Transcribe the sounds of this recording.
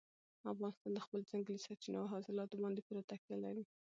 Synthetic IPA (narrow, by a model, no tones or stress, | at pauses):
afɣɑnɪst̪ɑnd̪əxpəld͡zaŋɡlisaɾt͡ʃinaaɦɑsɪlɑt̪obɑnd̪epuɾat̪akjalaɾi